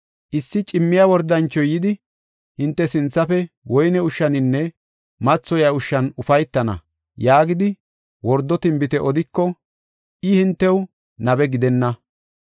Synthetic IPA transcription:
ʔɪsːɪt͡ʃʼɪmːɪjawɔɾd̪ːɐnt͡ʃːɔjɪd̪ɪ | hɪnt̪ːɛsɪnt͡sːɐfɛ | wɔjnɛʊʃːɐnɪnːɛ | mɐt͡sːɔjaʊʃːɐnʊfɐjt̪ːɐnɐ̰ | jaːɡɪd̪ɪ | wɔɾd̪ːɔt̪ɪmbɪt̪ɛʔɔd̪ɪkːɔ | ʔɪhɪnt̪ːɛw | nɐbɛɡɪd̪ɛnːɐ

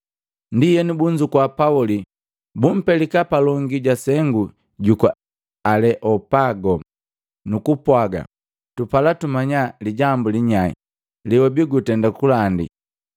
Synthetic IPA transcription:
ndijɛnibuɲd͡ʒukwapauli | bum̩pɛlikapalɔŋɡiɟasɛŋɡu | ɟukɔ̰ | alɛʔɔpaɡɔ | nukupwaɡa̰ | tupalatumaɲaliɟambuliɲaḭ | liwɔbiɡutɛndakulandḭ

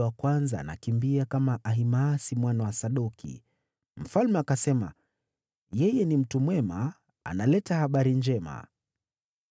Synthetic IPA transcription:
wakwanza̰ːna̰kimbiakamaʔaɦimasimwanawasaɗɔkʰḭ | m̩falmɛakasɛma̰ | jɛjɛnim̩tumwɛma | a̰nalɛtahaɓaɾind͡ʒɛma̰

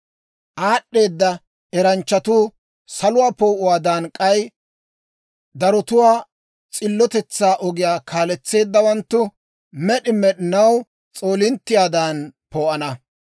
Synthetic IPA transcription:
ʔaːɗːe̞ːd̪ːɐ | ɛɾɐnt͡ʃːɐt̪uː | sɐlʊwaːpoːʔʊwaːd̪aːnkʼɐj | d̪ɐɾɔt̪ʊwaː | t͡sʼɪlːɔt̪ɛt͡sːaːʔɔɡɪjaːkʰaːlɛt͡sːe̞ːd̪ːɐwɐnt̪ːʊ | mɛɗɪmɛɗɪnɐw | t͡sʼo̞ːlɪnt̪ːɪjaːd̪aːnpoːʔɐnɐ

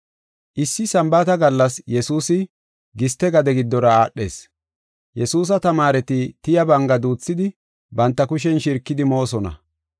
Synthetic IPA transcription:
ʔɪsːɪsɐmbaːt̪ɐɡɐlːɐsjɛsuːsɪ | ɡɪst̪ːɛɡɐd̪ɛɡɪd̪ːɔɾɐaːɗːe̞̰ːs | jɛsuːs̬ɐt̪ɐmaːɾɛt̪ɪt̪ɪjɐbɐŋɡɐd̪uːt͡sːɪd̪ɪ | bɐnt̪ːɐkʊʃ̬ɛnʃɪɾkːɪd̪ɪmo̞ːsɔnɐ̰

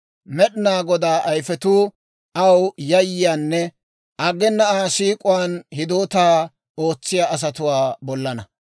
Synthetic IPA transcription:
mɛɗɪnaːɡɔd̪aːʔɐjfɛt̪uː | ʔɐwjɐjːɪjaːnːɛ | ʔɐɡɛnːɐaːʃiːkʼʊwaːnhɪd̪oːt̪aː | o̞ːt͡sːɪjaːɐs̬ɐt̪ʊwaːbɔlːɐnɐ

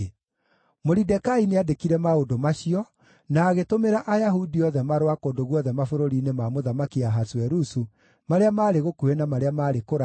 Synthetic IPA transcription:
moɾidɛkaineadekiɾɛmaodomaɕiɔ | naːɣetomeɾaʔajaɦudiɔðɛmaɾwakoːdoɣwɔðɛmafoɾoɾinemamoðamakiaɦaswɛɾusu | maɾeamaːɾeɣokuenamaɾeamaːɾekoɾa

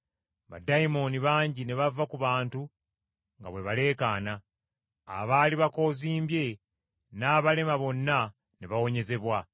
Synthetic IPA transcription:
βa̰daimo̞niβaːɲɟine̞βavakuβaːntu | ŋɡa̰βwe̞βale̞ːkaːna̰ː | βaːliβako̞ːziːmbje̞ | naːβale̞maβo̞nːa | ne̞βawo̞ɲe̞ze̞βwa

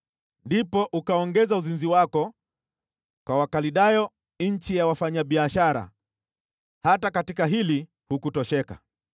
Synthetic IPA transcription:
ndipɔʔukaɔŋɡɛzauzinziwakɔ | kwawakaliɗajɔ | ɲ̩t͡ʃijawafaɲaɓiaʃaɾa̰ | hatakatikaɦili | hukutɔʃɛka̰

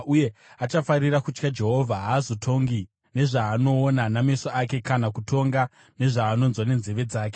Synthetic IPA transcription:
uje̞at͡ʃafaɾirakut͡ʃkad͡ʒe̞ɦo̞vʱaɦaːzotʰo̞ŋɡi | ne̞ʐaːno̞ːnanamesaʔake̞kanakutʰo̞ŋɡa | ne̞ʐaːno̞nzwane̞nzeʋe̞d͡zaːk̬e

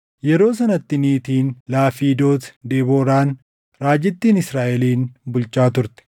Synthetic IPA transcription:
jɛɾo̞ːsɐnɐt̪ːɪniːt̪iːnlaːfiːd̪o̞ːt̪d̪eːboːɾaːn | ɾaːd͡ʒɪt̪ːiːnɪsɾaːʔɛliːnbʊlt͡ʃːaːt̪ʊɾt̪ɛ̥

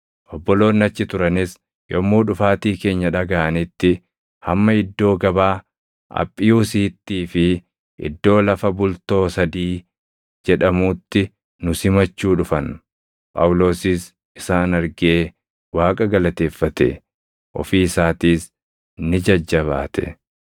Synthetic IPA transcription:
ʔɔbːɔlo̞ːnːɐt͡ʃːɪt̪ʊɾɐnɪs | jɔmːuːᶑʊfaːt̪iːke̞ːɲːɐᶑɐɡɐʔɐnɪt̪ːɪ | hɐmːɐɪd̪ːo̞ːɡɐbaː | ɐ̰pʼːɪjuːsiːt̪ːiːfɪ | ʔɪ̰d̪ːo̞ːlɐfɐbʊlt̪o̞ːsɐd̪iː | d͡ʒɛᶑɐmuːt̪ːɪ | nʊsɪmɐt͡ʃːuːᶑʊfɐn | pʼɐ̰wʊlo̞ːsɪs | ʔɪsaːnɐɾɡɪeː | waːkʼɐɡɐlɐt̪e̞ːfːɐt̪ɛ̰ | ʔɔ̰fiːɪsaːt̪iːs | nɪd͡ʒɐd͡ʒːɐβa̰ːt̪ɛ̥̰

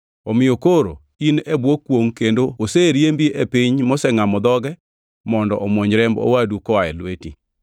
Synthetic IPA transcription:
omɪjokoɾo̰ | inebwokːwoŋkendooseɾjembiʔepiɲmɔsɛŋamɔd̪ɔɡɛ | mɔndɔ̰ʔɔmwoɲɾɛmbo̰wadukɔaɛ̰lwetḭ

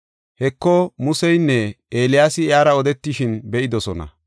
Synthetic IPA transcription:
hɛkːɔmʊsɛjnːɛʔeːlɪjaːsɪɪjaːɾɐɔd̪ɛt̪ːɪʃɪnbɛʔɪd̪ɔsɔnɐ̰

